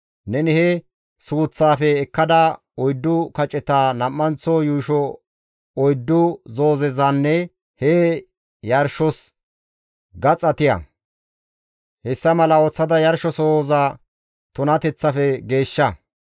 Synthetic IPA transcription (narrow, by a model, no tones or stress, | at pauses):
nɛnɪhɛ | suːt͡sːaːfɛːkːɐd̪ɐ | ɔjd̪ːʊkɐt͡ʃʼːɛt̪aːnɐmːɐnt͡sɔjuːʃɔ | ɔjd̪ːʊzoːzɛzɐnːɛ | hɛ | jɐɾʃɔs | ɡɐt͡sʼɐt̪ɪjɐ̰ | hɛsːɐmɐlɐot͡sːɐd̪ɐjɐɾʃɔsoːza | t̪ʊnɐt̪ɛt͡sːɐfɛɡe̞ːʃːɐ